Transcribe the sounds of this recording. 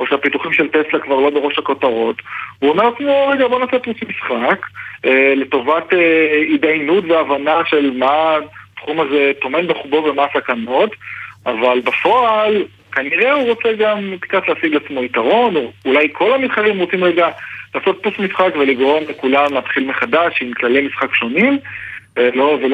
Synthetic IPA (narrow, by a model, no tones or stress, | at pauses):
o̞ʃeapituχimʃe̞lteslakvaʁlo̞be̞ʁo̞ʃhako̞taʁo̞tvuome̞ʁat͡smo̞ʁeɡabo̞nasot̚pusmisχakele̞to̞vateidajnutveavanaʃe̞lmatχumazeto̞me̞nbeχubo̞vemasakano̞tavalbafo̞al | kaniʁe̞uʁot͡seɡamti̥katleasiɡlat͡smo̞itaʁo̞nulajkʰo̞lamisχaʁimʁot͡simʁeɡalaːso̞t̚pusmisχakve̞liɡʁo̞mle̞kulamlaːt̪χilmeχadaʃimklalejmisχakʃo̞nim | lovel